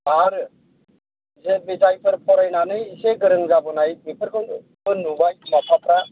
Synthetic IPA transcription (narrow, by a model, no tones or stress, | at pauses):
aɾ | zebizajpʰɯɾpʰɔɾajnanɯjseɡɯɾɯŋzabɯnajbipʰɯɾkʰɯn | bɯnubajmapʰapʰɾa